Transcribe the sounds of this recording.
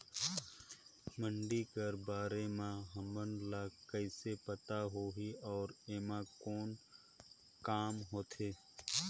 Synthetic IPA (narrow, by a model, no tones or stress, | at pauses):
mə̃ɳɖikəɾbaːɾemãɦəmənlaːkəɪsepət̪aɦoːɦiɔːɾeːmãkɔːn | kaːmɦoːt̪ʰeː